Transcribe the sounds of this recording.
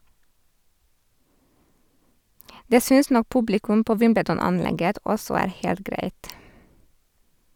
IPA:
ˈdeː ˈsʏns ˈnɔk ˈpʉblɪkʉm ˈpoː ˈʋɪmbədɔnɑnˌlɛɡət ˈɔsɔ ˈæːɾ ˈheːlt ˈɡɾæɪt

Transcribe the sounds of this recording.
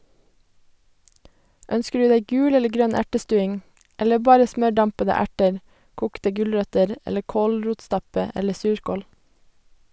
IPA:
ˈœnskə ˈɖʉː ˈdæɪ ˈɡʉːl ˈɛlə ˈɡɾœn ˈæʈəˌstʉːɪŋ ˈɛlə ˈbɑːɾə ˈsmœˌɖɑmpədə ˈæʈəɹ ˈkuːktə ˈɡʉlɹœtəɾ ˈɛlə ˈkoːlˌɹuːtˌstɑpə ˈɛlə ˈsʉːɹkoːl

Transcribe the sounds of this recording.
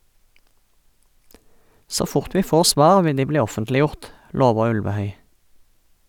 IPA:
ˈsoː ˈfʊʁt ˈʋiː ˈfoːʁ ˈsʋɑːʁ ˈʋɪ ˈdiː ˈbliː ˈɔfəntlɪˌjʊʁt ˈloːʋə ˈʉlʋəˌhœʏ

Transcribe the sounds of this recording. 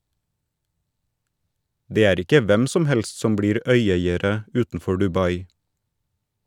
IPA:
ˈdeː ˈæːɾ ˈɪkə ˈʋɛm ˈsɔm ˈhɛls ˈsɔm ˈbɽiːɾ ˈœʏˌeɪəɾə ˈʉːtn̩ˌfɔ ɖʉˈbɑɪ

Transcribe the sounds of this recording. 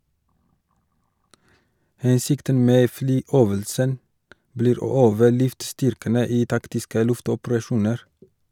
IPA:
ˈhɛnsɪktən ˈmeː ˈflyːˌøːʋəlsən ˈbliːɾ ˈoː ˈøːʋə ˈlʉftˌstʏɾkənə ˈiː ˈtɑktɪskə ˈlʉftɔpɾɑˌʃuːnəɾ

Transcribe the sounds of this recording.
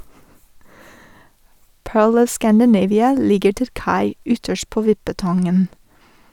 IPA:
ˈpøːɭ ˈɔʋ ˌskændəˈneɪʋɪə ˈlɪɡəɾ ˈtɪl ˈkɑɪ ˈʏtəʃt ˈpoː ˈʋɪpəˌtɑŋən

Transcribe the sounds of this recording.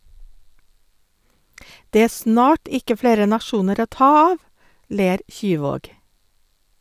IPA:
ˈdeː ˈeː ˈsnɑːʈ ˈɪkə ˈfleːɾə nɑˈʃuːnəɾ ˈoː ˈtɑː ˈɑːʋ ˈleːɾ ˈçyːˌʋoːɡ

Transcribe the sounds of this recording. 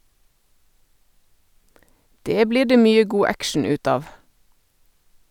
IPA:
ˈdeː ˈbliː ˈɖeː ˈmyːə ˈɡuː ˈækʃɳ̩ ˈʉːt ˈɑːʋ

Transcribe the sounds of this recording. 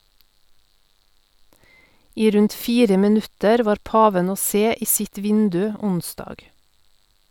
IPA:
ˈiː ˈɾʉnt ˈfiːɾə mɪˈnʉtəɾ ˈʋɑːɾ ˈpɑːʋən ˈoː ˈseː ˈiː ˈsɪt ˈʋɪndʉ ˈʊnˌsdɑːɡ

